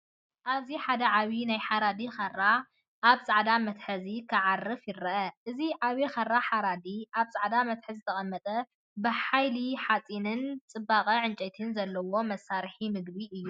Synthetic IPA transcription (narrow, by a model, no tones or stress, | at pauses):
ʔaβziħad̪ɐʕaβinajħaɾad̪ixɐrːa | ʔaβsʼaʕd̪amɐt̪ħɐzikʰɨʕarːɨfjɪɾɐʔɐʔɨziʕaβixɐrːaħaɾad̪iʔaβsʼaʕd̪amɐt̪ħɨzɨt̪ʰɐχʼɐmːɐt̪ʼɐ | bɨħajliħat͡sʼinɨnt͡sʼɨbːaqʼɐʕɨnt͡ʃʼɛt̪ʰɨnzɐlːɐwo̞mɐsːaɾħimɨɡbiʔɨjːu